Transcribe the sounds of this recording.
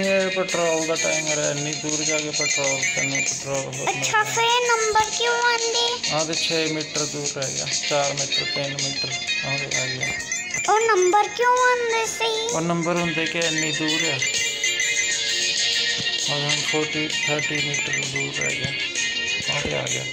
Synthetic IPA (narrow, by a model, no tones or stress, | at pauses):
iepeːʈɾoːld̪aːʈaːimoːɾa̰ːɪnːĩːd̪uːɾd͡ʒaːɡeːpeːʈɾoːlt̪ḛnːĩːpɛːʈɾoːlɦoət͡ʃʰaːkoeːnəmbəɾkjõːãːnd̪eːãːd̪eːt͡ʃʰeːmɪːʈəɾd̪uːɾɛːɡeja̰ːt͡ʃaːɾmɪːʈəɾpẽːnmɪːʈəɾãːd̪ḛːaːɡea̰ː | oːnəmbəɾkjõːãːnd̪eːsioːɾnəmbəɾɦʊ̃nd̪eːkenːĩːd̪uːɾaː | oːd̪ə̃ːnpʰoːɾʈiːt̪ʰəːɾʈiːmiːʈəɾd̪uːɾɛ̰ːɡjaː | ãːt̪ḛːa̰ːɡɪ̰ja̰ː